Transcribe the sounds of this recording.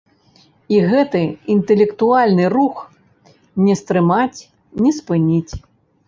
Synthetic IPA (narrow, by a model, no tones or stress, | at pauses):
iɣɛt̪ɨint̪ɛlʲɛkt̪ualʲnɨrux | nʲɛst̪ɾɨmat͡sʲ | nʲɛspɨnʲit͡sʲ